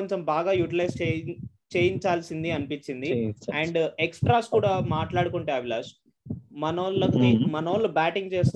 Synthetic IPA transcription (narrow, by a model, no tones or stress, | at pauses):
ɲt͡ʃembaːɡaːjuʈilɐjst͡ʃe | t͡ʃeːjiɲt͡ʃaːlsind̪iɐnipiɲt͡ʃːind̪iɐɳɖeksʈɾaːskuːɽaːmaːʈlaːɽukuɳʈeːɐːʋilaːʃ | mɐnoːlɐk̪imɐnoːlɐbaːʈiŋɡt͡ʃeːst̪